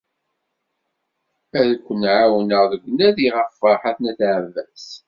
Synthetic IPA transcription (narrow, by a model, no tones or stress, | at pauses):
æðkʷːənʕawənəʁðəɡʷːnæðiʁəfːəɾˤħaθnæθaʕvæs